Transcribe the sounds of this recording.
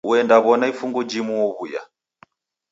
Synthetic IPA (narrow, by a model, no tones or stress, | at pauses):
uɛndaβɔnaifuŋɡɔd͡ʒimuwɔβuja̰